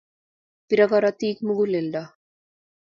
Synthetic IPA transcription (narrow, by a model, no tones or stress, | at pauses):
piɾaɣaɾat̪ikmuɣuleld̪a